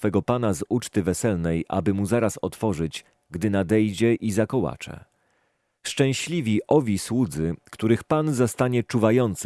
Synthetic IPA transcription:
fɛɡɔpan̪azut͡ʂt̪ɘvɛsɛlnɛjʔa̰bɘmuzaɾasɔ̰t̪fɔʐɘt͡ɕ | ɡd̪ɘnad̪ɛjd͡ʑɛʔizakɔwa̰t͡ʂɛ̰ | ʂt͡ʂɛ̃w̃ɕlʲivʲiʔɔvʲiswud̪zɘkt̪uɾɘxpanzast̪aɲɛt͡ʂuvajɔnt̪s

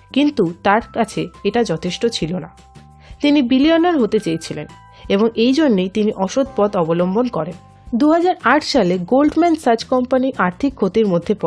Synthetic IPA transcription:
kint̪ut̪aɾkat͡ɕʰeeʈad͡ʑɔt̪ʰeʃʈot͡ɕʰilona̰ | t̪inibilionaɾɦot̪et͡ɕejt͡ɕʰilḛn | eboŋejd͡ʑonːejt̪iniʔɔʃod̪̚pɔd̪ɔbolombʱonkɔɾen | d̪uɦad͡ʑaɾaʈʰʃaleɡolɖmɛnɖsad͡ʑkɔmpaniʔaɾt̪ʰikʰːot̪iɾmod̪ʱːepɔ

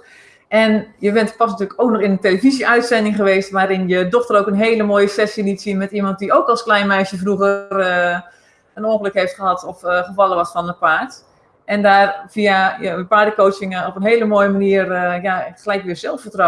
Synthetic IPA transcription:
ʔɛnjəʋɛntpɔs̬nətyːləkowk̚nɔχɪnənteləviziʔœɥtsɛndɪŋχəʋeːstʋaːɾɪnjədɔxtəroːkənɦeːləmoːjəsɛsjəlitsiənmɛtimɑnt̚dioːkɑlˠsklɛjnmɛjsjəfruɣər | ənoxələkhejftχəɦɑtɔfɣəfɑlˠəʋɔtfɔnəpaːrt | ʔɛndaːrv̥iajənpaːdəkowtsɪŋəɔpənɦeːləmoːjəmaniərjaxəlɛjkʋɪːzɛlˠfətro

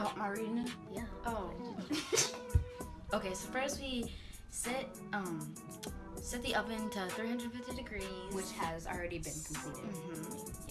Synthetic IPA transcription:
oməɹinɨjæʔoʊ | oʊkʰeɪsoʊfɹazwi | sɛt̚ | ʌ̃m | sɛt̪̚ðiʔʌvɨ̃ntəθɹihʌ̃ndɹɨd̥fɪftidɨɡɹizwɨt͡ʃhɨzl̩ˠɹɛɾibɨ̃nkʰm̩pʰl̥iɾɪ̰d̩m̥m̩

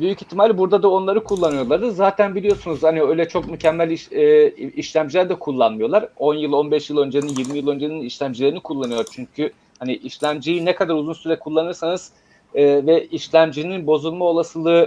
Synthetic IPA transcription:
byjyci̥t̪ʰːimalʲibuɾd̪ad̪ao̞nlˠaɾɯkʰulˠːanɯjo̞lˠaɾd̪ɯzaːt̪ʰænbilʲijo̞sunuzhaniø̞jlʲɛt͡ʃʰo̞kmycʰɛmːælʲiʃːiʃlʲæmd͡ʒilʲæɾd̪ɛkʰulˠːanmɯjo̞lˠaɾo̞njɯlˠo̞nbɛʃjilˠø̞nd͡ʒeninjiɾmijilˠø̞nd͡ʒeniniʃlʲæmd͡ʒilʲeɾinikʰulˠːanɯjoɾt͡ʃʰyɲcʰy | haniʔiʃlʲæmd͡ʒijinɛkʰad̪aɾuzunsyɾɛkʰulˠːanɯɾsanɯz̥ | ɯːvɛiʃlʲæmd͡ʒininbo̞zulˠmao̞lˠasɯlˠɯ

